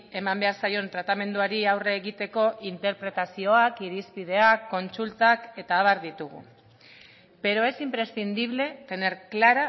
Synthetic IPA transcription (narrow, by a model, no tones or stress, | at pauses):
e̞mambe̞aɾsajo̞nt̪ɾat̪ame̞nd̪uaɾiawreːɣit̪e̞ko̞ʔint̪e̞ɾpɾe̞t̪asio̞akiɾispið̞e̞akːo̞nsult̪ake̞t̪aːβaɾðit̪uɣ̞ṵ | pe̞ɾo̞e̞simpɾe̞st̪ind̪iβle̞t̪e̞neɾklaɾa